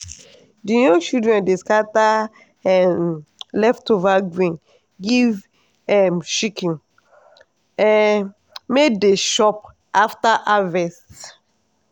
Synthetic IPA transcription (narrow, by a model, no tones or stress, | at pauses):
dijɔ̃ŋt͡ʃidɹɛ̃ndeskata | ɛmlɛftovaɡɹĩn | ɡiv | ɛmʃikĩn | ɛ | medeʃɔp | aftaʔavɛst